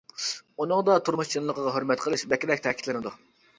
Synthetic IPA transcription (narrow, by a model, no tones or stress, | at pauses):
unɨŋd̪ɑt̪ʰuɾmuʃt͡ʃʰinlˠəqʰəʁɑɦøɾmɛt̪qʰəlˠɨʃbɛkʲɪd̪ɛkʲt̪ʰɛkʰʲi̥t̪lɪnɪd̪u